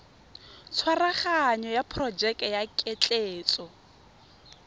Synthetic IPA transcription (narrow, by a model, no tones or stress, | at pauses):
t͡sʰwaraχaɲɔjapʰrɔd͡ʒɛkʼjakʼet͡ɬʼeːt͡sʼɔ